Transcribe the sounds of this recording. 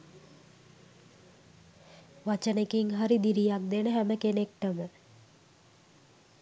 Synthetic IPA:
ʋat͡ʃənekiŋɦaɾid̪iɾijak̚d̪enəɦæməkenek̚ʈəmə

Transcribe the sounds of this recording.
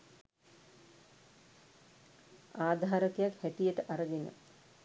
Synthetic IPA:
aːd̪ʱaːɾəkejakhæʈijəʈəʔaɾəɡenə̰

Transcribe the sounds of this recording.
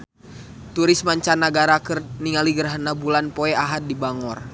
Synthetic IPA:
t̪uɾɪsmaɲt͡ʃanaɡaɾakərniŋaliɡəɾɦanabulanpɔɛaɦat̪̚dibaŋɔr

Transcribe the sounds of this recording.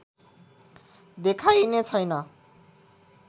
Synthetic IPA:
d̪ekʰajnet͡sʰʌjnʌ

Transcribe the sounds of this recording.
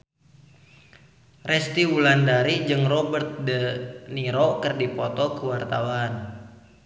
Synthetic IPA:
rɛst̪iulandaɾid͡ʒɨŋrɔbərt̪̚dəniɾɔkərdipɔt̪ɔkəwart̪awan

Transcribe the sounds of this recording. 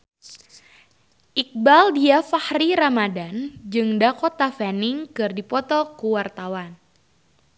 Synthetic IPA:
ʔik̚baldiafahriɾamadand͡ʒɨŋdakot̪afaniŋkɨrdipɔt̪ɔkuwart̪awan

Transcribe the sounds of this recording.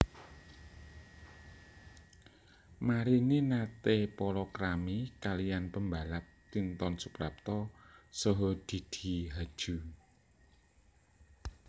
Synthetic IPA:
maɾininat̪epɔɾɔkɾamikalijanpəmbalap̚ | t̪int̪ɔnsupɾap̚t̪ɔsoɦod̪̥i̤d̪̥i̤ɦḁʒ̥ṳ

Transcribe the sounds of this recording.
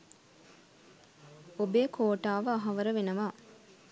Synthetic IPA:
obeːkʰoːʈaːʋəɐɦɐʋəɾəʋenɐʋaː

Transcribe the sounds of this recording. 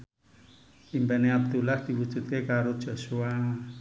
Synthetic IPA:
impɛneab̚d̪ulahd̪̥i̤wud̥ʒ̥ṳt̪̚kekaɾod̥ʒ̥osua

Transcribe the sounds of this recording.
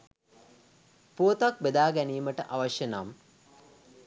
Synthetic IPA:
puːt̪ɐk̚bed̪aːɡɐniːmɐʈəʔaʋɐʂjɐnaːm

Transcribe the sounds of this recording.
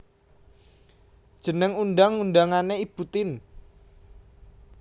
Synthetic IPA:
d̥ʒ̥ə̤nəŋunɖaŋːunɖaŋaneib̥ut̪ɪn

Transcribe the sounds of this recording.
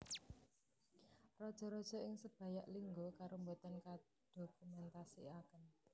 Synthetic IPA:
rɔd̥ʒ̥ɔ̤ɾɔd̥ʒ̥ɔ̤ɪŋsəb̥a̤jaʔliŋɡokaɾombot̪anka | d̪̥o̤kumɛnt̪asiakən

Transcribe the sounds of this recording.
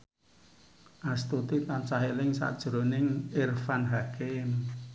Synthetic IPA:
ʔast̪ut̪it̪ant͡ʃaɦelɪŋsa̰d̥ʒ̥ɾonɪŋɪrfanɦakem

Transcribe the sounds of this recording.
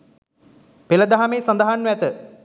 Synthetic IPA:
peləd̪aɦameːsɐnd̪aɦanːʋɛt̪ə

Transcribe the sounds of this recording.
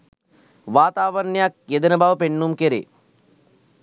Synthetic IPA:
ʋaːt̪aːʋəɾɳijak̚jed̪ənəbaʋəpenːumkeɾḛ

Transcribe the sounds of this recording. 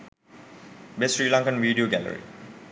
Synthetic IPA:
besɹilãŋkə̃nviːɖioɡɛlə̰ɹḭ

